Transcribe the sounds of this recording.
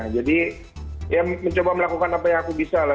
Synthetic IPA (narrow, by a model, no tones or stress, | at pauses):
d͡ʒadi | jaməɲt͡ʃobaməlakukanapajaŋakubisala